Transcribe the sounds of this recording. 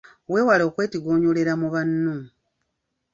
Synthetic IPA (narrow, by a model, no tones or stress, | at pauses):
we̞ːwalo̞ːkwe̞ːtiɡo̞ːɲoleɾamuβanːu